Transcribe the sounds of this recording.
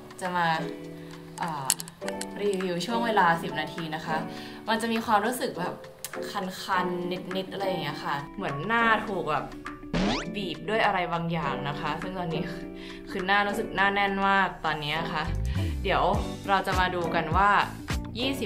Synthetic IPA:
t͡ɕa˨˩maː˧ | ʔaː˨˩ | ɾiː˧wi˧wt͡ɕʰu˥˩əŋweː˧laː˧si˨˩p̚naː˧t̪ʰiː˧na˦˥kʰa˦˥ʔ | ma˧nt͡ɕa˨˩ʔmiː˧kxwaː˧mɾuː˦˥sɯ˨˩k̚bɛː˨˩p̚ | kʰa˧nkʰa˧nːe˦˥t̪̚ni˦˥t̪̚ʔa˧ɾa˧jːa˨˩ŋːi˦˥ɐxʰa˥˩mɯ˩˦ənːaː˥˩t̪ʰuː˨˩k̚bɛː˨˩p̚ | biː˨˩p̚du˥˩əjʔa˧ɾa˧jbaː˧ŋjaː˨˩ŋna˦˥kʰa˦˥sɯ˥˩ŋt̪ɔː˧nːi˦˥ | kʰɯː˧naː˥˩ɾuː˦˥sɯ˨˩k̚naː˥˩nɛ˥˩nmaː˥˩k̚t̪ɔː˧nːi˦˥ɐna˨˩xʰa˦˥ʔdi˩˦əwɾa˧wt͡ɕa˨˩ʔmaː˧duː˧ka˧nwaː˥˩ | jiː˥˩si˨˩

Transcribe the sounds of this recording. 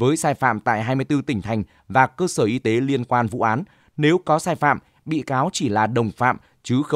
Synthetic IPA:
vəː˨˦jsaː˧jfa̰ː˧˨mt̪a̰ː˧˨jɦaː˧jmɨ˧jt̪ɨ˧t̪ï˧˩ŋ̟t̪ʰa˨˩jŋ̟ | vaː˨˩kəː˧səː˧˩ʔi˧t̪e˨˦li˧ənkwaː˧nvṵ˧˥ʔaː˨˦n | ne˨˦wkɔ˨˦saː˧jfa̰ː˧˨m | ɓḭ˧˨kaː˨˦wt͡ɕi˧˩laː˨˩ɗə˨˩wŋ͡mfa̰ː˧˨m | t͡ɕɨ˨˦xə˧

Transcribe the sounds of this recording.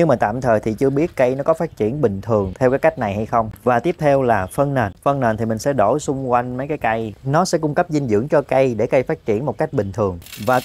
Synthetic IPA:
ɲɨ˧ŋmaː˨˩t̪a̰ː˧˨mt̪ʰəː˨˩jt̪ʰi˨˩t͡ɕɨ˧əɓi˦˥ət̚kə˧jnɔ˨˦kɔ˨˦faː˦˥t̚t͡ɕḭ˧˩ənɓï˨˩ŋ̟t̪ʰɨ˨˩əŋt̪ʰɛ˧wkaː˨˦jka˦˥jk̟̚na˨˩jha˧jxə˧wŋ͡mvaː˨˩t̪i˦˥əp̚t̪ʰɛ˧wlaː˨˩fə˧nnəː˨˩nfə˧nnəː˨˩nt̪ʰi˨˩mï˨˩ŋ̟sɛ̰˧˥ɗo˧˩sʊ˧ŋ͡mkwa˧jŋ̟mə˨˦jkaː˨˦jka˧jnɔ˨˦sɛ̰˧˥kʊ˧ŋ͡mkə˦˥p̚zï˧ŋzɨ̰˧˥əŋt͡ɕɔ˧kə˧jɗe˧˩ka˧jfaː˦˥t̚t͡ɕi˧˩ənmo˨˩t̚ka˦˥jk̟̚ɓï˨˩ŋ̟t̪ʰɨ˨˩əŋvaː˨˩

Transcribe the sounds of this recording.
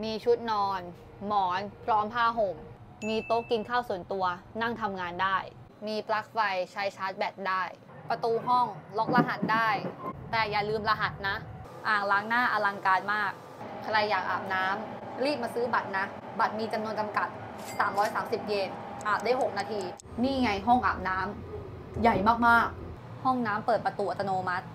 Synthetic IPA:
miː˧t͡ɕʰu˦˥t̪̚nɔː˧n | mɔː˩˦npʰɾɔː˦˥mpʰaː˥˩ɦo˨˩m | miː˧t̪o˦˥kki˧nkʰaː˥˩wsu˨˩˦nt̪u˧ɐna˥˩ŋt̪ʰa˧mŋaː˧ndaː˥˩j | miː˧pʰla˦˥k̚fa˧jt͡ɕʰa˦˥jt͡ɕʰaː˦˥t̪̚bɛː˨˩t̪̚daː˥˩j | pɾa˧t̪uː˧ɦɔ˥˩ŋlo˦˥k̚la˧ɦa˨˩t̪̚daː˥˩jt̪ɛː˨˩jaː˨˩lɯː˧mla˧ɦa˨˩t̪̚na˦˥ʔ | ʔaː˨˩ŋlaː˦˥ŋnaː˥˩ʔa˧la˧ŋkaː˧nmaː˥˩k̚ʰ | ɾa˧jːaː˨˩k̚ʔa̰ː˨˩p̚naː˦˥m | ɾiː˥˩p̚maː˧sɯː˦˥ba˨˩t̪̚na˦˥ | ba˨˩t̪̚miː˧t͡ɕa˧mnu˧ənt͡ɕa˧mka˨˩t̪̚ | saː˩˦mɾɔː˦˥jsaː˩˦msi˨˩p̚jeː˧n | ʔaː˨˩p̚daː˥˩jɦo˨˩k̚naː˧t̪ʰiː˧ | niː˥˩˨ŋa˧jɦɔ˥˩ŋʔa̰ː˨˩p̚naː˦˥m | ja˨˩jmaː˥˩k̚maː˥˩k̚ | hɔ˥˩ŋnaː˦˥mpɤː˨˩t̪̚pɾa˧t̪uː˧ʔa˨˧t̪ːa˧noː˧ma˦˥t̪̚

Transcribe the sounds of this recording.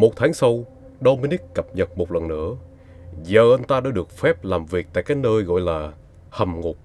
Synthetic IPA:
mo˨˩t̚t̪ʰaː˨˦ŋsa˧w | ɗo˧məː˨˦nɗ̪i˦˥ək̚kːə˨˩p̚ɲə˨˩t̚mo˨˩t̚lə˨˩nːɨ̰˧˥ə | zəː˨˩ʔə˧nt̪aː˧ɗa̰ː˧˥ɗɨ˨˩ək̚fɛ˦˥p̚laː˨˩mvi˨˩ək̚t̪a̰ː˧˨jkaː˨˦˥k̚nəː˧jɣɔ̰˧˨jlaː˨˩ | hə˨˩mŋʊ˨˩k͡p̚

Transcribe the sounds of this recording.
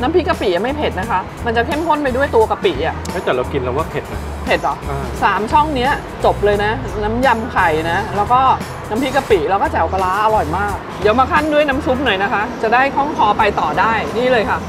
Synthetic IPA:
na˦˥mpʰi˦˥ka˧piː˨˩˦ʔa˨˩ma˥˩jpʰe˨˩t̪̚na˦˥kʰa˦˥ | ma˧nt͡ɕa˨˩kʰe˥˩mkʰo˥˩np̬a˧jdu˥˩əjt̪u˧ɐka˧pi˨˩˦ʔa˨˩a˦˥t̪ɛː˨˩ɾa˧wki˧nla˧waː˥˩pʰe˨˩t̪̚na̰˦˩ | pʰe˨˩t̪̚lɔ˨˩˦ʔaː˧saː˨˩˦mt͡ɕʰɔ˥˩ŋni˦˥ɐ | t͡ɕo˨˩p̚lɤː˧jna˦˥na˦˥mja˧mkʰa˨˩jna˦˥lɛː˦˥wkɔː˥˩ | na˦˥mpʰi˦˥ka˧piː˨˩˦lɛː˧˥wkɔː˥˩t͡ɕɛ˩˦wka˧laː˦˥ʔa˧lɔ˨˩jmaː˥˩k̚di˨˦əwmaː˧kʰa˥˩ndu˥˩əjna˦˥msu˦˥p̚nɤː˨˩jna˦˥kʰa˦˥ʔt͡ɕa˨˩da˥˩jha˥˩jkʰɔ˥˩ŋkʰɔː˧pa˧jt̪ɔː˨˩daː˥˩jniː˥˩lɤː˧jkʰa˦˥p̚

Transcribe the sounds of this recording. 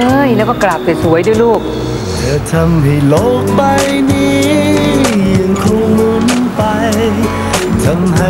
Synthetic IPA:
ɤ˧˩jlɛː˦˥wkɔː˥˩klaː˨˩p̚sa˨˩su˩˦əjduː˥˩˨jluː˥˩k̚ | t͡ɕʰɯ˧˩t̪ʰa˧mha˧˩jlo˦˥k̚ba˧jniː˧ | ja˧˩ŋkʰuː˧˩mu˧˦˥npa˧j | t̪ʰa˧˦˥mɦa˧

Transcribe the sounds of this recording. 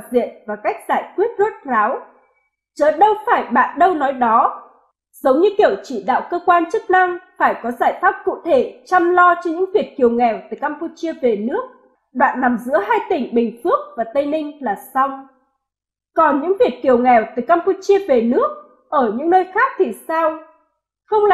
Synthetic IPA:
zḭ˧˨ənvaː˨˩ka˦˥jk̟̚zaː˧˩jkwi˦˥ət̚zə˦˥t̚zaː˨˦w | t͡ɕəː˨˦jɗə˧wfaː˧˩jɓa̰ː˧˨nɗə˧wnɔ˨˦jɗɔ˨˦ | z̥ə˨˦wɲɨ˧ki˧˩əwt͡ɕḭ˧˩˨ɗa̰ː˧˨wkəː˧kwaː˧nt͡ɕɨ˦˥k̚na˧ŋfaː˧˩jkɔ˨˦zaː˧˩jfaː˦˥p̚kṵ˧˨t̪ʰe˧˩t͡ɕa˧mlɔ˧t͡ɕɔ˧ɲɨ̰˧˥ŋvi˨˩ət̚ki˨˩əwŋɛ˨˩wt̪ɨː˨˩jkaː˧mpu˧t͡ɕi˧əve˨˩nɨ˦˥ək̚ | ɗwa̰ː˧˨nːa˨˩mzɨ̰˧˥əɦaː˧jt̪ï˨˩ŋ̟ɓï˨˩ŋ̟fɨ˦˥ək̚vaː˨˩t̪ə˧jnï˧ŋ̟laː˨˩sa˧wŋ͡m | kɔ˨˩nɲɨ̰˧˥ŋvi˨˩ət̚ki˨˩əwŋɛ˨˩wt̪ɨː˨˩jkaː˧mpu˧t͡ɕi˧əve˨˩nɨ˦˥ək̚ | ʔəː˧˩ɲɨ̰˧˥ŋnəː˧jxaː˦˥k̚t̪ʰi˨˩saː˧w | xə˧wŋ͡ml

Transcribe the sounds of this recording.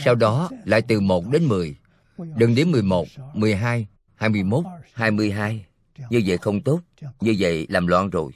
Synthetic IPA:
sa˧wɗɔ˨˦la̰ː˧˨jt̪ɨ˨˩mo˨˩t̚ɗe˨˦nmɨ˨˩əj | ɗɨ˨˩ŋɗe˨˦nmɨ˨˩əjmo˨˩t̚mɨ˨˩əjɦaː˧j | haː˧jmɨ˧əjmo˦˥t̚haː˧jmɨ˧əjɦaː˧j | ɲɨ˧və̰˧˨jxə˧wŋ͡mt̪o˦˥t̚ɲɨ˧və̰˧˨jlaː˨˩mlwaː˧nzo˨˩j

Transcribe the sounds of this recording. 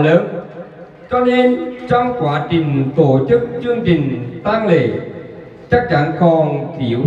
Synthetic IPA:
ləː˨˦n | t͡ɕɔ˧ne˧nt͡ɕɔ˧wŋ͡mkwaː˨˦t͡ɕï˨˩ŋ̟t̪o˧˦t͡ɕɨ˦˥k̚t͡ɕɨ˧əŋt͡ɕï˨˩ŋ̟t̪aː˧ŋlḛ˧˨ | t͡ɕaː˦˥k̚t͡ɕa˧˥nkɔ˨˩nk̪i˧˩əw

